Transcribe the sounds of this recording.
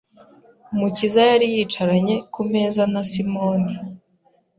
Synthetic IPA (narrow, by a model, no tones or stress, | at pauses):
mucizajaɾijiːt͡ʃaɾaɲe̞kume̞ːzanasimoni